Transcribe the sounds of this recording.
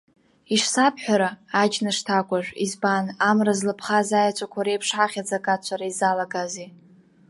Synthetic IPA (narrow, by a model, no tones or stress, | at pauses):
iʂsapʰħʷᶣaɾaːd͡ʒnɨʂtʰakʷʼaʒᶣʷizbanamrazlɨpʰχazajat͡ʃʷʼakʷʰaɾejpʰʂħaχʲad͡zakʼat͡ʃʷʰaɾaizalaɡazi